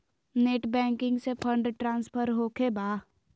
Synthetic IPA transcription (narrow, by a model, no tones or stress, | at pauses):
neːʈbɛ̃ːŋkɪ̃ŋɡsepʰə̃ɳɖʈɾãːnspʰəɾɦoːkʰebaː